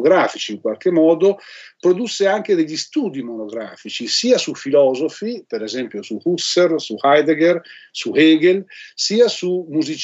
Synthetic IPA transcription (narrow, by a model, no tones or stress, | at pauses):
ɡɾaːfit͡ʃiːŋkwalk̟emːɔːd̪opɾod̪usːeaŋk̟ed̪eʎːist̪uːd̪imonoɡɾa̰ːfit͡ʃisiːasufilɔːzofipeɾezɛmpjosuhusːersuhajd̪eɡersuhɛːɡelsiːasumuzit͡ʃ